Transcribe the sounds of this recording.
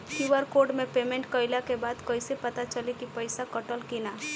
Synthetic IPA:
kiʋəɾkoːɾɖmẽpeːmẽɳʈkəɪlakebaːd̪kəɪsepət̪at͡ʃəlikipəɪsakəʈəlkinaː

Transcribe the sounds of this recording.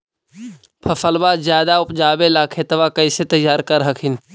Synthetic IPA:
pʰɐfəlbaːzjaːd̪aʊpd͡ʒaːbelaːkʰet̪ɐʋakɐiset̪ɐjːaːɾkɐɾɦɐkʰɪn

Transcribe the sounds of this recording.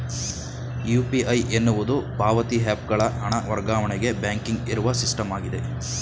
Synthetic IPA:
jupiʔɐjʔenːuʋud̪upaːʋɐt̪iɦaːp̚ɡɐɭɐɦɐɳɐʋɐɾɡaːʋɐɳɛɡe̞bjaːŋkiŋɡiɾuʋɐsisʈɐmaːɡid̪e̞

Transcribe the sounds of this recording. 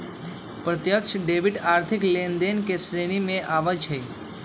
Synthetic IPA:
pɾət̪jəkʂɖeʋiʈaɾt̪ʰiklend̪enkesɾeñimẽʔaʋət͡ʃʰəj

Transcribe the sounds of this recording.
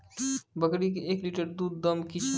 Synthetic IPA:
bəɡɽik̬eekliʈəɾd̪uːd̪ːəmkit͡ʃʰ

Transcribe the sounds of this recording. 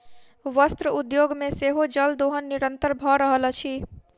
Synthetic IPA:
ʋəst̪ɾəud̪joɡmẽseɦod͡ʒəld̪oɦənːiɾənt̪əɾbʱɔɾəɦəlt͡ʃʰi

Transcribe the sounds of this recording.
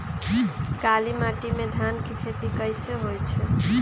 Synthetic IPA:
kalimaʈimed̪ʱankekʰet̪ikəjseɦojt͡ʃʰɛ

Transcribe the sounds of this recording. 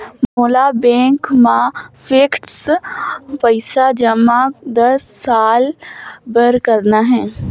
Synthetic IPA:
moːlabɛ̃ːŋkmãfʰeːkʈs | pəɪsad͡ʒəmad̪ɐsːaːlbəɾkəɾnaɦɛ̃ː

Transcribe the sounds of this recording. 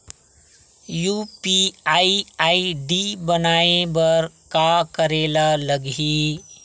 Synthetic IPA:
jupiaiaːiɖibənaːebəɾ | kakəɾeːlaləɡi

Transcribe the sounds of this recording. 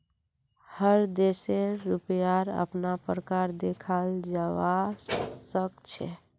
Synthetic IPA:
həɾd̪eseɾupjaɾə̰pnapɾəkaɾd̪ekʰald͡ʒawasəkt͡ʃʰɛ̰

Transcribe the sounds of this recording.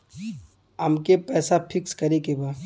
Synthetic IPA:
ɐmkepɛːsapʰɪkskɐɾekebaː

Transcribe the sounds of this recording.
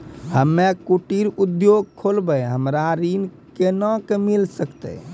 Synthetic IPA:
həmːekuʈiɾud̪joɡ̚kʰolbəɦəmɾaɾin | kenə̃kemilsəkt̪ɛ̰

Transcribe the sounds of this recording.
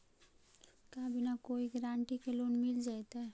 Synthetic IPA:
kaːbʱinakoːiɡɾãːɳʈikeloːnmɪld͡ʒaːet̪aɦɛ

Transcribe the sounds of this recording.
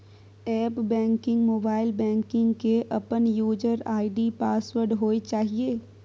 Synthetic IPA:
ɛːpbɛ̃ːŋkɪ̃ŋɡmoːbaːɪlbɛ̃ːŋkɪ̃ŋɡkeʔɐpənjuːd͡ʒəɾaːɪɖipaːswəɾɖɦoːet͡ʃaːɦieː

